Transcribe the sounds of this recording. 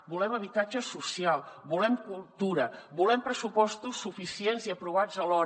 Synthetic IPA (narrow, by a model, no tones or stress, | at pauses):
bulɛməβ̞it̪ad͡ʒəsusialˠβulɛmkulˠt̪uɾəbulɛmpɾəsupɔst̪usːufisienziəpɾuβ̞ad͡zəlɔ